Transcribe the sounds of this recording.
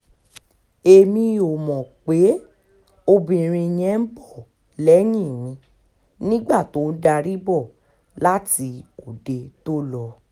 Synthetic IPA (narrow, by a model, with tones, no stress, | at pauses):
e˧mĩ˧o˨mɔ̃˨k͡pe˨˦ | o˧bĩ˨ĩ˨ɾ̃ĩ˧j̃ɛ̃˧˦n̩˦bɔ˦˨ | lɛ˨˦j̃ĩ˦˨nĩ˧˦ | nĩ˦ɡ͡ba˦˨to˨˦n̩˦da˧ɾi˦bɔ˦˨ | la˦ti˧o˨de˧to˦lɔ˧